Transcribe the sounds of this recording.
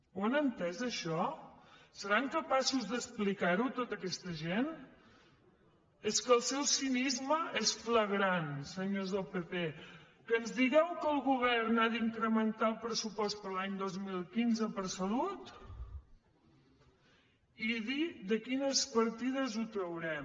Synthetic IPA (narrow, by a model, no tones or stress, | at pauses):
onənt̪ɛzəʃɔ | səɾaŋkəpasuzd̪əsplikaɾut̪ot̪əkɛst̪əʒen | eskəlˠsɛwsinizməʔesfləɣɾansəɲozðəlˠpepe | kəːnzðiɣɛwkəlˠɣuβ̞ɛrnaðiŋkɾəmənt̪alˠpɾəsupɔst̪̚pəɾlaɲd̪ozmilˠkinzəpəɾsəlut̪ | iðid̪əkinəspəɾt̪ið̞əzut̪ɾəwɾɛm